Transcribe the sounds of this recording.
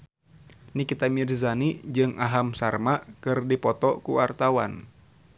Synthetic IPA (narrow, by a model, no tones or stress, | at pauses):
nikit̪amirzanid͡ʒɨŋaɦamsarmakɨrdipɔt̪ɔkuwart̪awa̰n